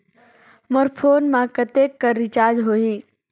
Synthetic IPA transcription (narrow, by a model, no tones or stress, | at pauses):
moɾpʰoːnmãkət̪eːkːəɾːɪt͡ʃaːd͡ʒɦoːiː